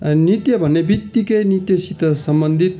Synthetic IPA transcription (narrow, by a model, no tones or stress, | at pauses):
nit̪jʌbʱʌnːebit̪ːikʌjnit̪jʌsit̪ʌsʌmbʌnd̪ʱit̪̚